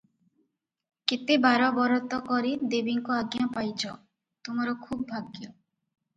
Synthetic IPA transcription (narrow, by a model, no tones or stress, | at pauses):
kit̪ibʱaɾɔbɔɾɔt̪ɔkɔɾid̪ebiŋkɔaɡjapajt͡ʃʰɔ | t̪umɔɾɔkʰub̚ːʱaɡjɔ